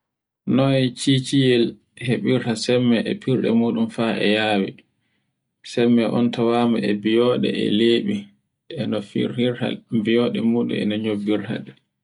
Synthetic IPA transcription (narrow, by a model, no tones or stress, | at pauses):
nɔt͡ʃiːt͡ʃijɛl | heɓiɾtasɛmːɛʔɛpʰiɾɗɛ̰muːɗumfaɛ̰jaːwḭ | sɛmːɛʔɔntʰawaːmaʔɛbijɔɗɛ̰ɛ̰leːɓi | ɗɛnɔfḭɾiɾha̰bijɔːɗɛmuːɗṵɛ̰naɲobːiɾha̰ɗɛ